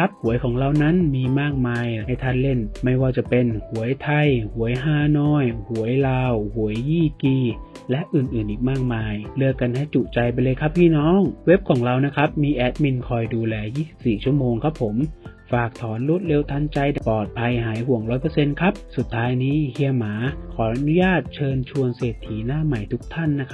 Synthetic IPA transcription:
a˦˥p̚hu˩˦əjkʰɔː˩˦ŋɾa˧wna˦˥nmiː˧maː˥˩k̚maː˧jha˥˩jt̪ʰa˥˩nle˥˩nma˥˩jwaː˧˩t͡ɕa˨˩pe˧nhu˩˦əjt̪ʰa˧jhu˩˦əjɦaː˧˩nɔː˧˥˩jhu˩˦əjlaː˧whu˨˩˦əjːiː˥˩kiː˧˩ | lɛ˦˥ʔɯː˨˩nʔɯː˨˩nʔiː˨˩k̚maː˥˩k̚maː˧jlɯ˧əkːa˧nha˥˩jt͡ɕu˨˩t͡ɕa˧jpa˧jlɤː˧jkʰa˦˥p̚pʰːiː˥˩nɔː˦˥˩ŋwe˦˥p̚kʰɔː˩˦ŋɾa˧wna˦˥kʰa˦˥p̚miː˧ʔɛː˦˥t̪̚mi˧nkʰɔː˧jduː˧lɛː˧jiː˥˩si˨˩p̚siː˨˩t͡ɕʰu˥˩əmoː˧ŋkʰa˦˥pʰːo˩˦m | faː˨˩k̚t̪ʰɔː˩˦nɾuː˦˥˩t̪̚le˧wt̪ʰa˧˥nt͡ɕa˧jpɔː˨˩t̪̚pʰa˧jɦaː˩˦jhu˨˩˦əŋɾɔː˦˥jpɤː˧se˧nkʰa˦˥p̚su˨˩t̪ʰːaː˦˥jniː˦˥hi˧əmaː˩˦kʰɔː˩˦ʔa˧nu˦˥jaː˥˩t̪̚t͡ɕʰɤː˧nt͡ɕʰu˧əŋseː˨˩t̪ʰːiː˩˦naː˥˩ma˨˩jt̪ʰu˦˥k̚t̪ʰa˥˩nːa˦˥kʰa˦˥

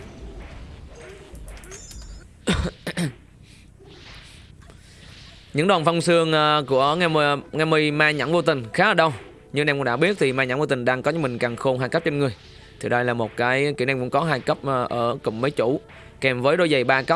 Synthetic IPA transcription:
ɲɨ̰˧˥ŋɗwa˨˩nfɔ˧wŋ͡msɨ˧əŋʔku˧˩əŋa˧ŋaː˧mi˧jmaː˧ɲa̰˧˥ŋvo˧t̪ï˨˩ŋ̟xaː˨˦˥ʔəː˧˩ɗə˧w | ɲɨ˧ŋnɛ˧mkʊ˧˥ŋɗa̰ː˧˥ɓi˦˥ət̚t̪ʰi˨˩maː˧ɲa̰˧˥ŋvo˧˩t̪i˨˩ŋ̟ɗaː˧ŋkɔ˨˦ɲɨ˧˦mï˨˩ŋ̟kaː˨˩ŋxo˧nɦaː˧jkə˦˥p̚t͡ɕe˧nŋɨ˨˩əj | t̪ʰi˨˩ɗə˧jlaː˨˩mo˨˩t̚kaː˨˦jki˧˩wnɛ˧mkʊ̰˧˥ŋ͡mkɔ˨˦ɦaː˧jkə˦˥p̚ʔʔəː˧˩kʊ̰˨˩ŋ͡mmə˨˦jt͡ɕṵ˧˩ | kɛ˨˩mvəː˨˦jɗo˧jzə˨˩jɓaː˧kə˦˥p̚

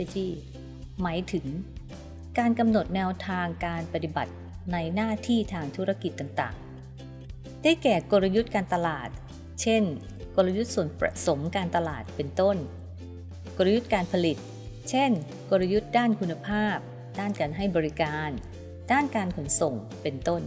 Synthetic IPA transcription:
t͡ɕiː˧˩ | maː˩˦jt̪ʰɯ˩˦ŋ | kaː˧nka˧mno˨˩t̪̚nɛː˧wt̪ʰaː˧ŋkaː˧npa˧t̪i˨˩ba̰˨˩t̪̚ | na˧jnaː˥˩t̪ʰiː˥˩t̪ʰaː˧ŋt̪ʰu˦˥ɾa˧ki˨˩t̪ːaː˨˩ŋt̪a̰ː˨˩ŋ | d̥a˥˩jkɛː˨˩ko˧ɾa˧ju˦˥t̪̚kaː˧nt̪a˧laː˨˩t̪̚ | t͡ɕʰe˥˩n | ko˧lɾa˧ju˦˥t̪̚su˨˩ənpɾa̰˧so˩˦mkaː˧nt̪a˧laː˨˩t̪̚pe˧nt̪o˥˩n | ko˧ɾa˧ju˦˥t̪̚kaː˧npʰa˧li˨˩t̪̚ | t͡ɕʰe˥˩n | ko˧ɾa˧ju˦˥t̪̚daː˥˩nkʰu˧nːa˧pʰaː˥˩p̚ | d̥aː˥˩nkaː˧nɦa˥˩jbɔː˧ɾi˦˥kaː˧n | d̥aː˥˩nkaː˧nkʰo˩˦nso˨˩ŋ | pe˧nt̪o˥˩n

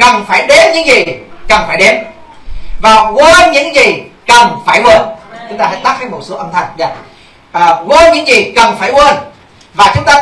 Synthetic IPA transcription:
kə˨˩nfaː˧˩jɗe˨˦mɲɨ̰˧˥ŋzi˨˩kə˨˩nfaː˧˩jɗe˨˦m | vaː˨˩ɣwəː˧nɲɨ̰˧˥ŋzi˨˩kə˨˩nfaː˧˩jʔwəː˧nt͡ɕʊ˨˦ŋ͡mt̪aː˧aː˧˥t̪a˦˥hʰa˨˦jmo˨˩t̚so˨˦ʔə˧nt̪ʰa˨˩jŋ̟za̰ː˧˨ | ʔəː˨˩ɣwə˧nɲɨ̰˧˥ŋzi˨˩kə˨˩nfaː˧˩jʔwə˧n | vaː˨˩t͡ɕʊ˨˦ŋ͡mt̪aː˧

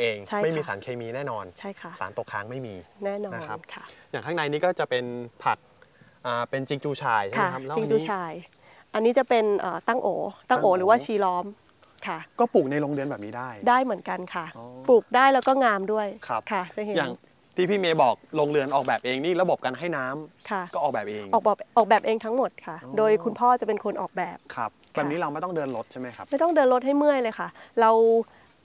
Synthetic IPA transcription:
ʔeː˧ŋt͡ɕʰa˥˩jma˥˩jmiː˧saː˩˦nkʰeː˧miː˧nɛː˥˩nɔː˧nt͡ɕʰa˥˩jkʰa˥˩sa̰ː˩˦nt̪o˨˩kʰːaː˨˦ŋma˥˩jmiː˧nɛː˥˩nɔː˦˧˥kʰnkʰa˥˩jaː˨˩kʰa˥˩na˧jniː˦˥kɔː˥˩t͡ɕa˨˩pe˧npʰa˨˩k̚ʔaː˨˩pe˧nt͡ɕi˧ŋt͡ɕuː˧t͡ɕʰaː˧jaa˦˥˩lt͡ɕi˧ŋt͡ɕuː˧˦t͡ɕʰaː˧j | ʔa˧nːiː˦˥t͡ɕa˨˩pe˧nʔəː˨˩t̪a˥˩ŋʔoː˩˦t̪aː˥˩ŋʔoː˩˦ɾɯː˩˦waː˥˩t͡ɕʰiː˧lɔː˦˥m | kʰa˥˩kɔː˥˩puː˨˩k̚na˧jloː˧ŋlɯ˧ənbɛː˨˩niː˦˥daː˥˩jdaː˥˩jmɯ˩˦ənka˧nkʰa˥˩˧puː˨˩k̚daː˥˩jlɛː˦˥wkɔː˥˩ŋaː˧mdu˥˩əjkʰa˦˥kʰa˥˩t͡ɕʰa˥˩˦jaː˨˩ŋ | t̪ʰiː˥˩pʰiː˥˩meː˧bɔː˨˩k̚lo˧ŋlɯ˧ənʔɔː˨˩k̚bɛː˨˩p̚ʔeː˧ŋniː˥˩ɾa˧bo˨˩p̚ka˧nɦa˥˩jnaː˦˥mkʰa˥˩kɔː˥˩ʔɔː˨˩bɛː˨˩p̚ʔeː˧ʔŋɔː˨˩k̚bɔː˨˩pʔɔː˨˩k̚bɛː˨˩pʔeː˧ŋt̪ʰa˦˥ŋmo˨˩t̪̚kʰa˥˩doː˧jkʰu˧npʰɔː˥˩t͡ɕa˨˩pe˧nkʰo˧nʔɔː˨˩k̚bɛː˨˩p̚kʰa˦˥p̚bɛː˨˩p̚niː˦˥ɾa˧wma˥˩jt̪ɔ˥ŋdɤː˧nlo˦˥t̪̚t͡ɕʰa˥˩ma˦˥jkʰa˦˥ma˥˩jt̪ɔ˥˩ŋdɤː˧nlo˦˥ɦa˥˩jmɯ˥˩əjlɤː˧jkʰa˥˩ɾa˧w

